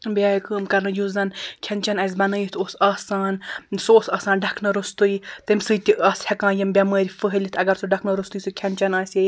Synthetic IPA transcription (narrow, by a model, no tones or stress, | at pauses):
biaːjkəːmkɐɾnɐjuzɐnkʰʲɐnt͡ʃɐnɐs̬ʲbɐnɐjit̪ʰoːsaːsaːnsoːsaːsaːnɖɐkʰnɐɾust̪ujt̪ɨmsɨjt̪iaːshʲɐkãːjɐmbʲaməːɾʲifɨɦəlʲit̪ʰɐɡɐɾsuɖɐkʰnɐɾust̪ujsukʲʰɐnt͡ʃɐnaːsʲje